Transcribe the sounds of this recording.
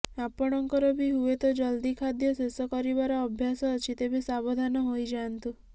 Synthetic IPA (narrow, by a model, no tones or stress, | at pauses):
apɔɽ̃ɔŋkɔɾɔbʱiɦuet̪ɔd͡ʒɔld̪ikʰad̪jɔsesɔkɔɾibaɾɔːbʱjasɔːt͡ʃʰit̪ebʱisabɔd̪ʱanɔɦojd͡ʒant̪u